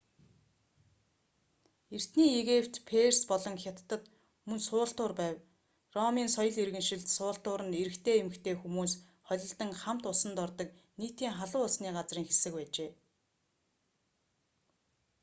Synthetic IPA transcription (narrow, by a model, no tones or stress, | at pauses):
er̥t̪niːeɣewt̪pʰerspɔɮɞ̆ŋxʲat̪ːə̆t̪ | mɵnsʊːɬt̪ʊːrpæːw | rɔmiːnsɔjɞ̆ɮerɣɘ̆nʃɪ̆ɮt̪sʊːɬt̪ʊːɾə̆neɾɘ̆kt̪ʰeːemɘ̆kt̪ʰeːxumuːs | χɔɮʲɞ̆ɬt̪ə̆ŋχam̥t̪ʊsə̆nt̪ɔrt̪ɞ̆k̚niːt̪iːŋχaɮʊːʊsniːɢat͡sriːŋxesɘ̆k̚pæːt͡ɕeː